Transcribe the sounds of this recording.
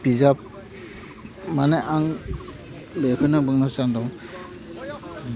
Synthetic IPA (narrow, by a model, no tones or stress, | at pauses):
bizap̚ | maneʔaŋ | bekʰɯnɯbɯŋnasandɔŋ